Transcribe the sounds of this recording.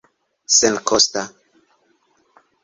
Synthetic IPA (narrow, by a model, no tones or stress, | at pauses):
senkʰosta